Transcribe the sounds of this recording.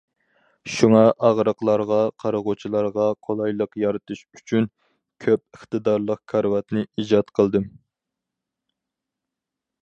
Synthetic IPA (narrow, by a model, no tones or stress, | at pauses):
ʃuŋɑʔɑʁɾəqlˠɑɾʁɑqʰɑɾəʁot͡ʃʰilˠɑɾʁɑqʰolˠɑjlˠəqjɑɾɨt̪ʰuʃyt͡ʃʰyn | kʲʰøp̚əχt̪ɨd̪ɑɾlˠəq̚kʲʰɑɾwɑt̪nɨid͡ʒɑt̪qʰəlˠd̪ɨm